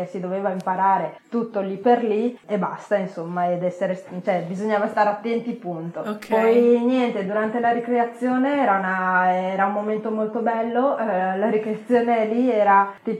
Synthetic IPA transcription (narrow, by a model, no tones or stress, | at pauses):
esid̪oveːvaimpaɾaːɾet̪ut̪ːolipːerlieba̰st̪ainsomːaed̪ɛsːeɾest͡ʃoɛbizoɲːaːvast̪aːɾeat̪ːɛnt̪ipunt̪opɔjnjɛnt̪ed̪uɾant̪elaɾikɾeat̪sːjoːneɛːɾaunaɛːɾaumːoment̪omolt̪obɛlːolaɾikɾeat̪sːjoːneliɛːɾat̪iːp